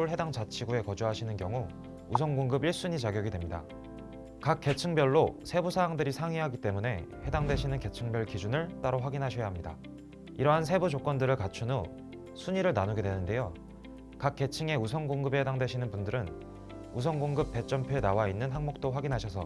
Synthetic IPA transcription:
ɭhe̞daŋt͡ɕat͡ɕʰiɡue̞kʌd͡ʑuɦaɕʰinɯnkjʌŋu | usʰʌŋɡoŋɡɯbiɭs͈uɲit͡ɕaɡjʌɡidwe̞mɲida̰ | kak̚k͈e̞t͡ɕʰɯŋbjʌɭːosʰe̞busʰaaŋdɯɾisʰaŋiɦaɡit͈e̞mune̞he̞daŋdwe̞ɕʰinɯnke̞t͡ɕʰɯŋbjʌɭkid͡ʑunɯɭt͈aɾoɸwaɡinɦaɕʰʌjaɦamɲida̰ | iɾʌɦans̬ʰe̞bud͡ʑok͈wʌndɯɾɯɭkat͡ɕʰuno | sʰuɲiɾɯɭnanuɡe̞dwe̞nɯnde̞jo | kak̚k͈e̞t͡ɕʰɯŋe̞usʰʌŋɡoŋɡɯbehedaŋdwe̞ɕʰinɯnpundɯɾɯn | us̬ʰʌŋɡoŋɡɯp̚p͈e̞t͡ɕ͈ʌmpʰjoe̞nawainːɯnɦaŋmok̚t͈oɸwaɡinɦaɕʰʌsʰʌ

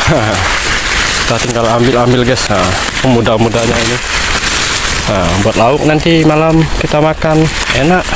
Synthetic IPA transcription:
ə | t̪at̪iŋɡalambɪlambɪlɡɛsə | mudamudahɲaini | əbuat̪̚laʊk̚nant̪imalamkit̪amakan | enaʔ

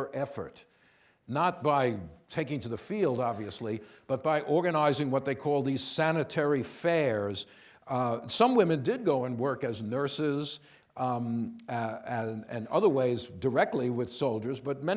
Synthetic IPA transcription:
ʔɛfə̰˞tⁿ | nət̚b̥aɪtʰeɪkɪ̃ŋtɨðɨfilˠdɑbviɨslib̥ʌt̚b̥aɪʔɔɹɡɨnaɪzɪ̃ŋwʌt̪̚ðeɪkʰɔlˠðiz̥sænɨtʰɛɹifɛɹz̥ | sʌ̃mwɪ̃mɨ̃ndɪd̚ɡoʊə̃nwɜ˞kɨznɜ˞sɪz | ɨ̰̃nʌ̰ðə˞weɪzdə˞ɛk̚tˡliwɪð̥soʊlˠd͡ʒə˞zbʌt̚mɛ̃

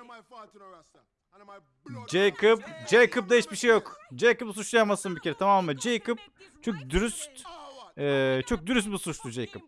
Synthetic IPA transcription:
d͡ʒejkʰɯpd͡ʒejkɯp̚d̪aɦit͡ʃbiʃejokd͡ʒejkɯpsut͡ʃlˠajamasɯnbicʰe̞ɾɛt̪ʰamamːɯd͡ʒejkɯp̚t͡ʃʰok̚d̪yɾyst̪ɛːt͡ʃʰok̚d̪yɾys̬t̪̚busut͡ʃlˠud͡ʒejkɯp̚

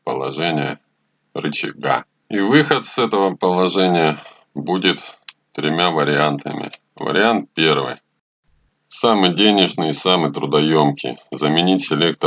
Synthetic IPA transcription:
pə̰lˠɐ̰ʐɛnʲɪjə | rɨt͡ɕɪɡa̰ | ivɨxət̪sɛt̪əvəpəlˠɐʐɛnʲɪjə | budʲɪt̪t̪ɾʲɪmʲavəɾʲɪant̪ə̰mʲɪ̰ | və̰ɾʲɪant̪̚pʲe̞rvɨ̰j | samɨdʲenʲɪʐnɨjɪsamɨt̪ɾʊd̪ɐjo̞mkʲɪ̰zəmʲɪnʲitʲsʲɪlʲek̚t̪

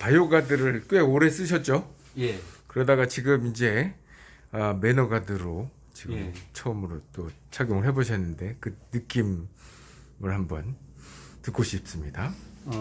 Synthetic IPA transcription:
pajoɡadɯɾɯɭk͈we̞ɡoɾe̞s͈ɯɕʰʌt̚t͡ɕ͈o | jekɯɾʌdaɡat͡ɕiɡɯmind͡ʑe̞ | ʌme̞nʌɡadɯɾo | t͡ɕiɡɯmt͡ɕʰʌʌmɯɾot͈o | t͡ɕʰaɡjoŋɯɭɦe̞boɕʰʌnːɯnde̞kɯnɯk͈im | ɯɭhambʌntɯk͈oɕʰip̚s͈ɯmɲida

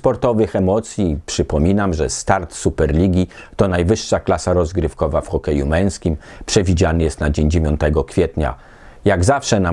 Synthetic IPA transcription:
spɔɾt̪ɔvɘxɛmɔt̪sʲjipʂɘpɔmʲinamʐɛ̰st̪aɾt̪supɛɾlʲiɡʲit̪ɔnajvɘʂːaklasaɾɔzɡɾɘfkɔvafxɔkɛjumɛ̃j̃skʲim | pʂɛvʲid͡ʑanɘjɛst̪nad͡ʑeɲd͡ʑevʲjɔnt̪ɛɡɔkfʲjɛt̪ɲa̰ | jaɡzafʂɛna

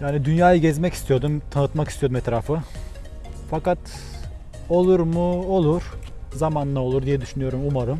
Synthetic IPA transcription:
jaːnid̪ynjaːjɯɟɛzmɛci̥st̪ʰijo̞d̪umt̪ʰanɯt̪makist̪ijo̞d̪umɛt̪ɾaːfɯ | fakat̪ | o̞lˠuɾmuolˠuɾ̥zamanlˠao̞lˠuɾd̪ijɛd̪yʃynyjo̞ɾumumaɾɯm

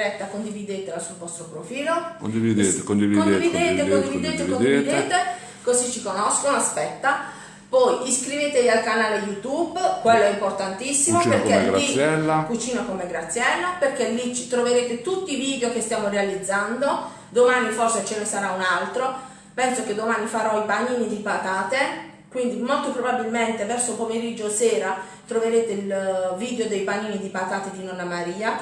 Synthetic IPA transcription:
ɛt̪ːakond̪ivid̪eːt̪elasulvɔst̪ɾopɾofiːlokond̪ivid̪et̪ekond̪ivikoneitvid̪eekkond̪ivid̪et̪evikond̪eid̪eːt̪e | kozit͡ʃːikonɔskonoaspɛt̪ːa | pɔjiskɾivet̪evialkanaːlejut̪ubkwelːoɛimport̪ant̪isːimoperkeɡɾaiɛlːakut͡ʃiːnakomeɡɾat̪sːjɛlːaperkelːit͡ʃi̥t̪ɾoveɾeːt̪et̪ut̪ːiːviːd̪eokest̪jaːmorealid̪zːand̪o | d̪omaːniforset͡ʃenesaɾaunalt̪ɾo | pɛnsoked̪ːomaːnifaɾɔipaniːnid̪ipat̪aːt̪e | kwind̪imolt̪opɾobabilment̪evɛrsopomeɾid͡ʒːosɛːɾa | t̪ɾoveɾeːt̪eilviːd̪eod̪ejpaniːnid̪ipat̪aːt̪ed̪inɔnːamaɾiːa

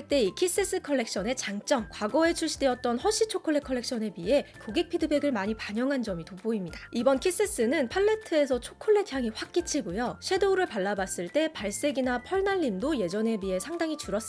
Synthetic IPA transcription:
t͈e̞ikʰis͈ɯs͈ɯkʰʌɭːe̞k̚ɕ͈ʌne̞t͡ɕaŋt͡ɕ͈ʌŋkwaɡʌe̞t͡ɕʰuɭɕ͈ideʌt̚t͈ʌnɸʌɕ͈it͡ɕʰokʰoɭːe̞kʰʌɭːe̞k̚ɕ͈ʰʌne̞bie̞koɡe̞k̚pʰidɯbe̞ɡɯɭmaɲipaɲʌŋɦand͡ʑʌmitoboimɲidaibʌnkʰis͈ɯs͈ɯnɯnpʰaɭːe̞tʰɯe̞sʰʌt͡ɕʰokʰoɭːetʰjaŋiɸwak̚k͈it͡ɕʰiɡojoɕʰe̞doɾɯɭpaɭːabas͈ɯɭt͈e̞paɭs͈e̞ɡinapʰʌɭnaʎːimdoje̞d͡ʑʌne̞bie̞sʰaŋdaŋit͡ɕuɾʌs͈

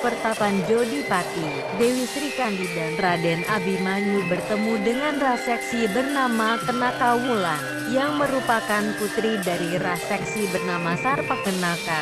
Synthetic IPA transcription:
pərt̪apand͡ʒodipat̪i | dewisɾikandidanradɛnʔabimanubərt̪əmudəŋanrasɛksibərnamakənakawula | jaŋməɾupakanput̪ɾidaɾirasɛksibərnamasarpakənaka

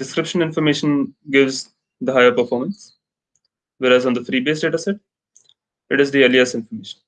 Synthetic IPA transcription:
ɖɪskɾɪpʃə̃nɪ̃nfɔɾmeːʃə̃nɡɪʋz | d̪əɦaɪəɾpəɾfɔːɾmə̃ns | ʋeːɾæzɔ̃ːnd̪əfɾiːbeːsɖeːʈasɛʈ̚ | ɪʈɪzd̪iəliəsɪ̃nfɔɾmeːʃə̃n

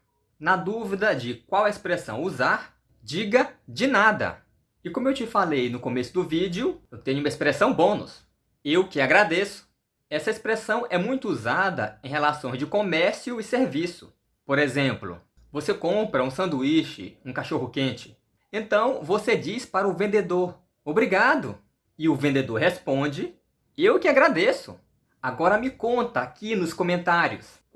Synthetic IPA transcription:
nɐd̪uvid̪ɐd͡ʒɪk̚wawɐespɾesɐ̃w̃uzaɾ | d͡ʒiɡɐd͡ʒɪnad̪ɐ̰ | ɪkõmʊewt͡ʃɪfalejnʊkõmesʊd̪ʊvid͡ʒɪʊewt̪ẽɲʊũmɐespɾesɐ̃w̃bõnʊ̰s | ewkɪaɡɾad̪esʊ̥ | ɛsɐispɾesɐ̃w̃ʔɛmũj̃t̪ʊuzad̪ɐ̰ẽj̃helasõj̃zd͡ʒɪkomɛɾsjʊɪseɾvisʊ | poɾezẽmplʊ̰ | vosekõpɾɐũsɐ̃nd̪uiʃɪ̰ũkaʃoɦʊkẽt͡ʃɪ̥ | ẽnt̪ɐ̃w̃vosed͡ʒispaɾɐʊvẽnd̪ed̪oɾ | obɾiɡad̪ʊ̰ | ɪʊvẽnd̪ed̪oɾɦespõd͡ʒɪ | ewkɪaɡɾad̪esʊ̰ | aɡɔɾɐmɪkõnt̪ɐakinʊskõmẽnt̪aɾjʊs

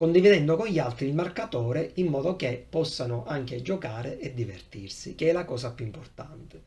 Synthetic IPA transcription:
kond̪ivid̪ɛnd̪okonʎːalt̪ɾiːlmarkat̪ɔːɾeimːɔːðok̟epːɔsːanoʔaŋk̟ed͡ʒokaːɾeʔɛd̪ːivert̪irsik̟eɛlakɔːs̬apjuimport̪ant̪e

